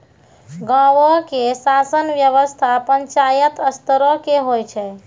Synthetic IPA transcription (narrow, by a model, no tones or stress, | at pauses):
ɡawokesasənʋjəʋəst̪ʰapəɲt͡ʃajət̪əst̪əɾokeɦojt͡ʃʰɛ